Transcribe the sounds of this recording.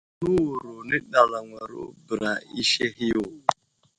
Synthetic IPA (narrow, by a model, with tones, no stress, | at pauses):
nu˦˨ɾu˨nɪ˦ɗa˨la˨ŋʷa˨ɾo̰˦bɾa˨i˦ʃe˦ɦɪ˦ʊ˨